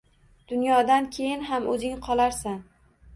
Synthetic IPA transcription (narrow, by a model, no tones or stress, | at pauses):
d̪̥ʊnjɒd̪ankʲʰe̞jɪnɦamɵzɪŋqʰɒlˠaɾsan